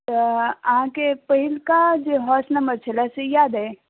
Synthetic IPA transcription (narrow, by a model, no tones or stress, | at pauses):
t̪əɐɦãkepəɦɪlkad͡ʒeɦɔːsnɐmɐt͡ʃʰəlasejaːd̪ɛ